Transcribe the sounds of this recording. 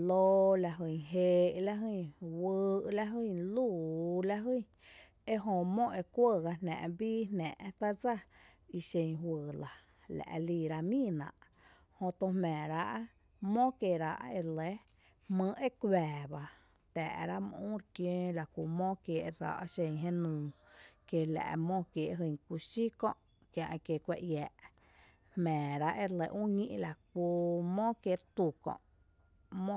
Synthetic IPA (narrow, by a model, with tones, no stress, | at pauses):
loː˦la˧ɦi˧˨ɦeː˧ʔla˦ɦi˧˨wɨː˧ʔla˧ɦi˧˨luː˦˨la˧ɦi˦˧˦ | e˦ɦõ˧mõ˦ʔe˧kʷə˧˨ɣa˧nnã̰˨ʔbiː˦nɛ̃˨ʔt̪a˦d͡za˦i˧ʃẽ˧ŋhwɨː˧˨la˨ | la̰˨ʔliː˧˨ɾa˧mĩ˦nã̰˨ʔ | hõ˧t̪õ˧hmɛ̃ː˨ɾa˧ʔ | mõ˦ke˧˨ɾa˧ʔe˧le˦ | hmɨ̃˧ʔe˦kɛː˨ba˧ | t̪ɛ̰˨ʔɾa˦m˧ũ˦ɾkjẽː˦la˨kʷu˧˨mõ˦kje˨ʔɾa̰˧ʔʃẽ˧ŋɦẽ˦nũː˧ke˧˨lɛ̰˨ʔmõ˦˧kje˨ʔɦɨ˧˨ŋkʷu˧ʃi˦kɔ̰̃˧˨ʔ | kjã˧ʔke˧˨kʷe˧˨ʔjɛː˨ʔ | hmɛ̃ː˨ɾa˦ʔe˧ɾle˧ʔũ˦ɲĩ˦ʔla˨ku˧mõ˦kje˧t̪u˧˨kɔ̰̃˧ʔ | mõ˦